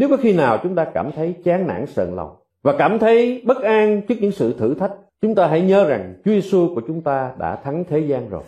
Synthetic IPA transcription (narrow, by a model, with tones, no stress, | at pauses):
ne˨˦wkɔ˨˦xi˧naː˨˩wt͡ɕʊ˨˦ŋ͡mt̪aː˧kaː˧˩mt̪ʰə˨˦jt͡ɕaː˨˦nna̰ː˧˥ŋsə̰ː˧˨nlə̰˨˩wŋ͡m | vaː˨˩kaː˧˩mt̪ʰə˨˦jɓə˦˥t̚ʔaː˧ŋt͡ɕɨ˦˥k̚ɲɨ̰˧˥ŋsɨ̰˧˨t̪ʰɨ˧˩t̪ʰa˦˥k̟̚t͡ɕʊ˨˦ŋ͡mt̪aː˧ɦa̰˧˥jɲəː˨˦za˨˩ŋt͡ɕu˨˦əze˧su˧ku˧˩ət͡ɕʊ˨˦ŋ͡mt̪aː˧ɗa̰ː˧˥t̪ʰa˨˦ŋt̪ʰe˨˦zaː˧nzo̰˨˩j